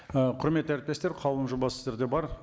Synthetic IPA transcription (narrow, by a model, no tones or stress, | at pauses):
əqʰʊɾme̞t̪ːəæɾɪp̚t̪e̞st̪eɾqʰɑlˠənʒubɑsɪzeɾd̪e̞bɑɾ